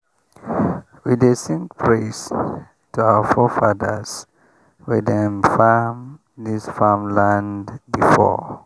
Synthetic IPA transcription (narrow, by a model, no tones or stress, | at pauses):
widesĩŋpʰɹes | tʰuawəfɔfaðəs | widɛ̃mfam | disfamlãndbifɔ̰